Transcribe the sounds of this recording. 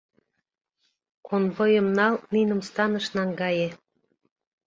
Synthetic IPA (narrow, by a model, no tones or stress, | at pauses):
konβojə̆mnɑlninə̆mst̪ɑnəʃnɑŋɡɑje